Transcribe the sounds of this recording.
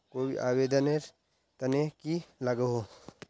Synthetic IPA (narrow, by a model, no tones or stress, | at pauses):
koːbḭʔaːweːd̪əneɾ | t̪ɐnekilɐɡeɦo